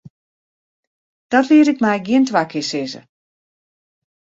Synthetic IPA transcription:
d̥ɔtliəɾɪkmɛjɡjiəntʋaːkʰɪsɪzə̰

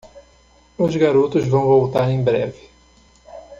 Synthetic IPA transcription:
ʊzɡaɾut̪ʊzvɐ̃w̃vowt̪aɾẽj̃bɾɛvɪ

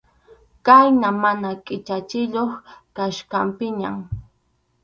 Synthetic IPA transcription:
kajnamanakʼɪt͡ʃat͡ʃɪʎoχkaʃkampɪɲa̰m

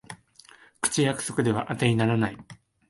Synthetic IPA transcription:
kɯ̟̥t͡ɕijakɯ̟̥so̞kɯ̟d̪e̞βaʔat̪einaɾanai

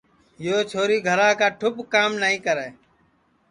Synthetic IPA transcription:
joːt͡ʃʰoːɾiːɡʱəɾaːkaːʈʰʊpkaːmnəɦĩːkəɾeː

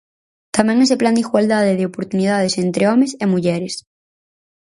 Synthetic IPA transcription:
t̪amẽŋes̬epland̪iɣwald̪að̞eðeopoɾt̪unið̞að̞esent̪ɾeomesemuʝɛɾes

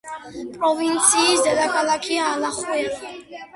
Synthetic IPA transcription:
pʼɾɔvint̪sʰiːsd̪ɛd̪akʰalakʰiaːlaχwɛ

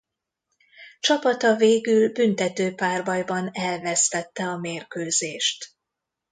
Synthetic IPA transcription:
t͡ʃɒpɒt̪ɒveːɡylbynt̪ɛt̪øːpaːrbɒjbɒnɛlvɛst̪ɛt̪ːɛɒmeːrkøːzeːʃt̪

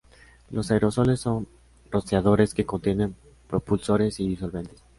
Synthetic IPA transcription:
lo̞sajɾo̞so̞lesːon | ro̞saðo̞ɾe̞ske̞ko̞nt̪jenẽ̞m | pɾo̞pulso̞ɾe̞siðiso̞lβe̞nt̪es

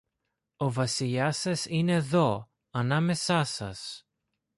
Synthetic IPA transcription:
o̞vɐsiʎɐsɐsineðo̞ | ɐnɐme̞sɐsɐ̰s

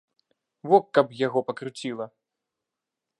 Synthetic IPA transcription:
vɔkːɐpjaɣɔpɐkɾut͡sʲilˠɐ

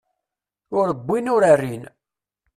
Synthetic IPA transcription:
ʊɾəbʷːinʊɾarːin

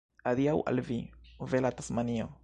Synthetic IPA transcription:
aɾiawʔa̰lvivelatasmanio

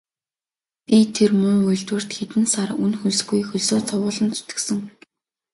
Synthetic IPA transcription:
pʲit̪ʰermɵŋujɮt̪wɘ̆r̥t̪xet̪ɘ̆nsarunxuɮsɡujxɵɮsoːt͡sʰɔwʊːɮə̆nt͡sʰu̥t̪ɘ̥̆ksɘ̆ŋ

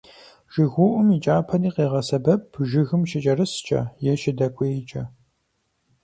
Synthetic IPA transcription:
ʒ̥ɨɣʷʊʔʷʊmit͡ʃʼaːpʰɐniːqeːʁɐsɐbɐpʰʒɪɣɨmʃɪt͡ʃʼɐrɨst͡ʃʼɐ̰jɛʃɪdɐkʷʼeːjt͡ʃʼɐ

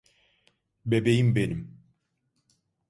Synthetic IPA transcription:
bebejimbenim

